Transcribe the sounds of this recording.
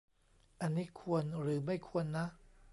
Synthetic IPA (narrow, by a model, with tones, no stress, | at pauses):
ʔa˧nːiː˦˥kʰu˧ənɾɯː˩˦ma˥˩jkʰu˧ənːa˦˥ʔ